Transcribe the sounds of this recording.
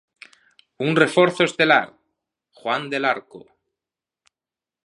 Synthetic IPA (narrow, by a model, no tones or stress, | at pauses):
unrefoɾθoest̪ela̰ɾ | xwand̪elaɾko̰